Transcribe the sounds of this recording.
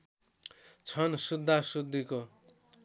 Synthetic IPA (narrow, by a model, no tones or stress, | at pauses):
t͡sʰʌnsud̪ʱːasud̪ːiko